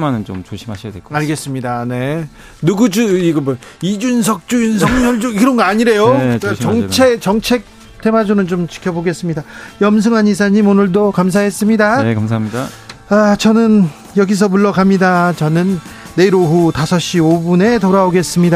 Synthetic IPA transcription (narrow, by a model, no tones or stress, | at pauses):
manɯnt͡ɕomt͡ɕoɕʰimaɕʰiadwekaɭɡe̞s͈ɯmɲidane̞ | nuɡud͡ʑuiɡʌmʌ | id͡ʑuns̬ʰʌk̚t͡ɕ͈ujinsʰʌŋɲʌɭd͡ʑuiiɾʌnɡʌaɲiɾe̞joat͡ɕʌŋt͡ɕʰet͡ɕʌŋt͡ɕʰe̞k̚ | t͈ʰe̞mad͡ʑunɯnt͡ɕomt͡ɕi̥kʰjʌboɡe̞s͈ɯmɲidajʌmsʰɯŋɦaɲis̬ʰaɲimonɯɭdokamsʰaɦe̞s͈ɯmɲidaekamsʰamidaat͡ɕʌnɯn | jʌɡis̬ʰʌmuɭːʌɡamɲidat͡ɕʌnɯnːe̞iɾoɦutasʰʌɕ͈iobune̞toɾaoɡe̞s͈ɯmɲida